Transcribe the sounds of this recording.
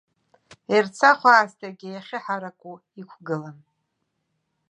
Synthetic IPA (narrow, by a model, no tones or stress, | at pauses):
irt͡sʰaχʷaːstʰaɡʲejaχʲɪħaɾakʷʼu | ikʷʰɡɨlan